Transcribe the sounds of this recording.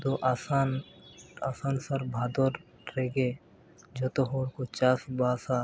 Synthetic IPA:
d̪oʔaːsaːn | aːsaːnsɐɾbʱaːd̪oɾ | ɾeːɡe | d͡ʒot̪oɦoːɾkot͡ʃaːsbaːsaː

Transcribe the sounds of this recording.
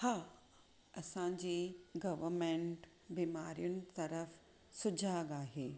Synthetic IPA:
haː | ɐsãd͡ʑiːɡɐʋəɾmẽɳʈ | biːmaːɾijʊnɪ̆t̪ɐɾəf | sʊd͡ʑʱaːɡaːɦeː

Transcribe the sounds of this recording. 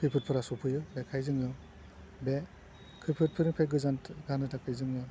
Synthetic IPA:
pʰɯpʰɯt̚pʰɯɾasɔpʰɯjɯbekʰajzɯŋɯ | be | kʰɯpʰɯt̚pʰɯɾɯŋpʰajɡɯzantɡanɯtakʰɯjzɯŋɯ

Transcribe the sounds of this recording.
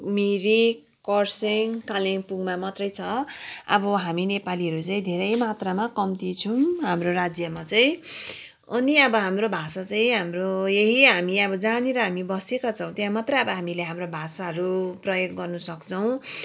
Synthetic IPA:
miɾi | kʌrseŋkaleŋpuɡmamat̪rʌjt͡sʰʌʌ̰bʌɦaminepaliɦʌɾut͡saĩd̪ʱeɾʌjmat̪ramakʌmt̪it͡sʰũɦamroɾad͡zjʌmat͡saĩ | ʌniʌbʌɦamrobʱasat͡saĩɦamrojeɦiɦamiʌbʌd͡zaneɾʌɦamibʌsekat͡sʰʌ̃w̃t̪jãmat̪rʌjʌbʌɦamileɦamrobʱasaɦʌɾuprʌjoɡːʌrnusʌkt͡sʰʌw̃

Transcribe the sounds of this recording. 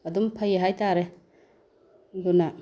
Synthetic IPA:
ɐdumpʰajeɦajtaɾe | duna

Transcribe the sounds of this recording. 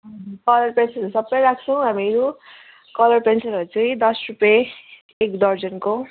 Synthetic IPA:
kʌlʌrpensʌɾsʌbːʌjɾak̚ʰt͡sʰʌw̃ɦamiɾu | kʌlʌrpensʌɾʌɾut͡sʌĩd̪ʌsrupjeː | kd̪ʌrd͡zʌnko

